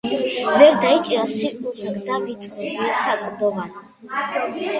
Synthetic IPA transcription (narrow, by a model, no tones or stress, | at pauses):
vɛɾd̪ait͡ʃʼiɾasiqʼmulˠt̪ʰaɡ̪zavit̪sʼχɔbiɛɾsʰakʼd̪ɔvan